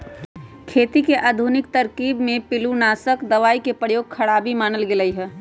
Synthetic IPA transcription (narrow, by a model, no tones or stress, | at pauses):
kʰeːt̪ikeʔaːd̪ʱunɪk̚t̪ɐɾkiːbmẽpɪlunaːsəkd̪ɐʋaːikepɾəjoːɡ̚kʰɐɽaːbimaːnəlɡeləiɦɛː